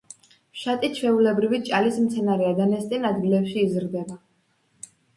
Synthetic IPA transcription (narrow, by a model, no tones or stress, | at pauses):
ʃat̪ʼit͡ʃʰvɛulɛbɾivit͡ʃʼalismt̪sʰɛnaɾɛad̪anɛst̪ʼɛnad̪ɡilɛpʃiːzɾd̪ɛba